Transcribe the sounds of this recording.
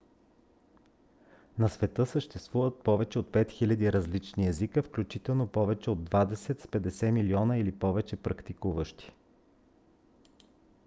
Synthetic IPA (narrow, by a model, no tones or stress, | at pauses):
nɐsvɛt̪ɤsəʃt̪ɛst̪vuvət̪̚pɔvɛt͡ʃɛot̪̚pɛt̪xilʲɐd̪iɾɐzlit͡ʃniɛzikəfklʲut͡ʃit̪ɛlˠnopɔvɛt͡ʃɛod̪ːvad̪ɛsɛt̪spɛd̪ɛsɛmiliɔnəilipɔvɛt͡ʃɛpɾɐkt̪ikuvəʃt̪i̥